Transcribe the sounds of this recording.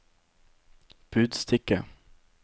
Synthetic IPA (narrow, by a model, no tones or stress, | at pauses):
b̥ʉːd̪st̪ʰɪkə